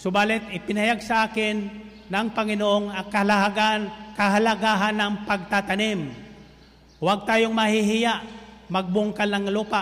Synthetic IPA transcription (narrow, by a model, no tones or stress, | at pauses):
sʊbaːlɪt̪ɪpɪnɐhajaɡsɐʔaːkɪnː | ɐŋpɐŋɪnoʔoŋɐkɐaɡakɐɦalɐɡaːɦanːɐŋpɐɡ̚t̪at̪ɐnɪm | waɡ̚t̪aːjoŋmɐhɪɦɪjaʔmɐɡ̚bʊŋkalnɐŋluːpa